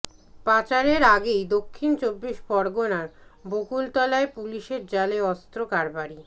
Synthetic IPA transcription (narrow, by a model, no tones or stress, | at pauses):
pat͡ɕaɾeɾaɡejd̪okʰːint͡ɕobːiʃbɔɾɡonaɾbokult̪ɔlaepuliʃeɾd͡ʑaleɔst̪ɾokaɾbaɾi